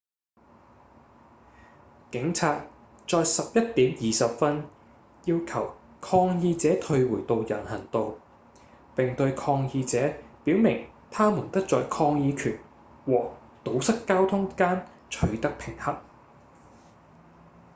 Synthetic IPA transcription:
kɪ˨˥ŋt͡sʰaː˧t̚ | t͡sɔː˧jsɐ˨p̚jɐ˥t̚t̪iː˨˥mjiː˨sɐ˨p̚fɐ˥n | jiː˧wkʰɐ˨˩w | kʰɔː˧ŋjiː˧t͡sɛː˨˥t̪ʰɵ˧ɥwuː˨˩jt̪o˨˧wjɐ˨˩nhɐ˨˩nt̪o˨˧w | pɪ˨ŋt̪ɵ˧ɥkʰɔː˧ŋjiː˧t͡sɛː˨˥piː˨˥wmɪ˨˩ŋ | t̪ʰaː˥muː˨˩nt̪ɐ˥k̚t͡sɔː˨jkʰɔː˧ŋjiː˨˧kʰyː˨˩n | wɔː˨˩ | t̪o˨˥wsɐ˥kkːaː˥wt̪ʰʊ˥ŋkaː˥n | t͡ʃʰɵ˨˥ɥt̪ɐ˥k̚pʰɪ˨˩ŋhɐ˥t̚

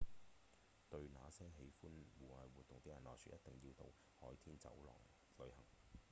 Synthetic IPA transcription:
t̪ɵ˧ɥnaː˨˥sɛː˥ŋɦe˨˥jfuː˥nwuː˨hɐ˨˩jwuː˨t̪̚ʊ˨ŋt̪e˨˥jɐ˨˩nlɔː˨jsʰy̰ː˨˥tjʔɐ˥t̪̚t̪ɪ˨ŋjiː˧wt̪o̰˨w | hɔː˨˥jt̪ʰiː˥nt͡sɐ̰˨˥wlɔ̰ː˨˩ŋ | lɵ˨˧˥hɐ˨˩ŋ

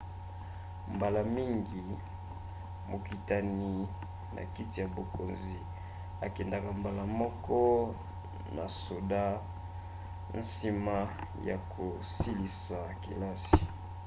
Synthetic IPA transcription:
mba˨la˨mi˦ŋɡi˨ | mo˨ki˨ta˨ni˨ | nʔa̰˨ki˦ti˨ja˨bo˨ko˨nzi˨ | a˨kɛ˨nda˨ka˨mba˨la˨mɔ˦kɔ˦ | na̰˨so˨da˦ | n̩˦si˦ma˦ja̰˨kʰo˨ | si˦li˨sa˨ki˨la˦si̥˨

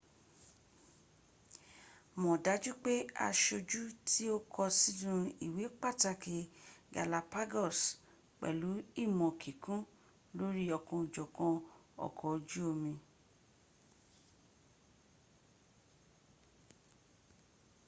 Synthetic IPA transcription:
mɔ̃˨da˨˦d͡ʒu˦k͡pe˦a̰˧ʃo˧d͡ʒu˦tʰi˦o˦kʰɔ˧si˦dũ˦˧i˨we˨˦k͡pa˦˨ta˧ke˨ɡa̰˨la˨pa˦ɡɔ˦˨s | k͡pɛ̰˨lu˨˦i˦˨mɔ̃˧kʰi˨kũ˦ | lo˦ɾi˦ɔ˧kɔ̃˧˨d͡ʒɔ˨kɔ̃˧ɔ̰˨kʰɔ˨d͡ʒu˦o˧mĩ˧

